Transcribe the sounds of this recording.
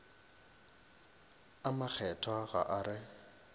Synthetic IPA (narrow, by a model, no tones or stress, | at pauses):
amak͡xʰɛtʰwaɣa̰ʔaɾɪ